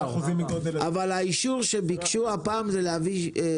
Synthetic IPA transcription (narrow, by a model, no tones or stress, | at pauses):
uziavalaiʃuʁʃebikʃuapaːmzeleavi